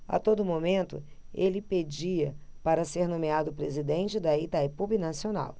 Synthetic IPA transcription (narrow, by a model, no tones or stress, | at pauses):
a̰t̪od̪ʊmomẽnt̪ʊ̰elɪped͡ʒiɐpaɾɐseɾnõmead̪ʊpɾezid̪ẽnt͡ʃɪd̪ɐit̪aipubinasiona̰w